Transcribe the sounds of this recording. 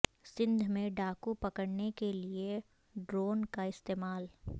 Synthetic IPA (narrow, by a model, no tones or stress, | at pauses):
sɪ̃nd̪ʱmẽɖaːkupɐkəɽnekelie | ɖɾoːnkaɪst̪eːmaːl